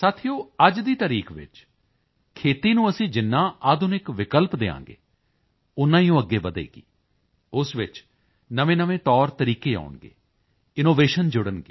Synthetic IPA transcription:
saːt̪ʰijoːəd͡ʒd̪iːt̪əɾiːkʋɪ̰t͡ʃ | kʰeːt̪iːnũːəsĩːd͡ʒɪnːãːʔaːd̪ʊnɪkʋɪkəlpd̪eːã̰ːŋɡḛː | ʊnːãːĩːõːəɡːeːbəd̪ḛːɡḭː | ʊsʋɪt͡ʃ | nəʋẽːnəʋẽːt̪ɔːɾt̪əɾiːkeːa̰ːʊɳɡḛː | ɪnoːʋeːʃənd͡ʒʊɽənɡeː

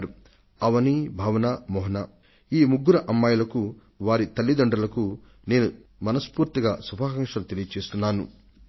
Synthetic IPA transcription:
ɾu | ɐʋɐnibʱaːʋɐnaːmɔːɦɐna | iːmuɡːuɾɐʔɐmːaːjulɐku | ʋaːɾit̪ɐlːid̪ɐɳɖɐlɐku | ne̞ːnumɐnɐspuːɾt̪iɡaːsubʱaːkɐŋʂɐlut̪elijɐt͡ʃeːst̪unːaːnṵ

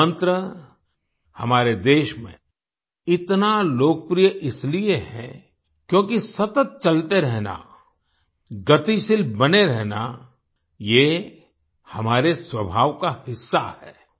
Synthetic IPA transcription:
ə̃nt̪ɾə | hɐmaːɾed̪eːʃmḛ̃ | ɪt̪naloːk̚pɾijəʔɪslieɦɛ̰̃ | kjõːkisɐt̪ət̪̚t͡ʃɐlt̪eɾɛɦna̰ | ɡɐt̪iʃɪlbɐneɾɛɦna̰ | je | hɐmaːɾeswəbʱaːʋkahɪsːa̰hɛ̰ː

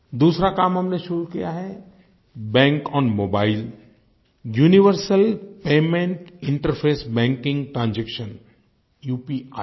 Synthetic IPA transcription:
d̪uːsɾakaːmɦɐmneʃʊɾukijaɦɛː | bɛ̃ːŋkɔːnmoːbaːɪl | juːnɪʋəɾsəlpeːmẽɳʈɪ̃ɳʈəɾpʰeːsbɛ̃ːŋkɪ̃ŋɡʈɾãːnd͡ʒɛkʃən | juːpi

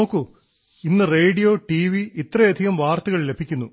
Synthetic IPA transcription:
oːkːu | inːɨreːɖijo̞ːʈiʋiit̪ːrɐjɐd̪ʱiɣɐmʋaːrt̪uɣɐɭle̞bʱikʲːunːu

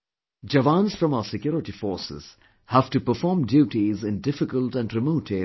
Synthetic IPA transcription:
d͡ʒəʋãnz̥fɾʌ̃maʊəsɪkjɔːɾɪʈifɔːɾsɪ̰z̥ | hæʋ̥ʈupəɾfɔːɾmɖjuːʈizɪ̃nɖɪfɪkəlʈæ̃nɖɾɪmoːʈe

